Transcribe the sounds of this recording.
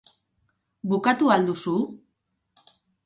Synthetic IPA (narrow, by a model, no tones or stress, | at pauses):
bukat̪uald̪usu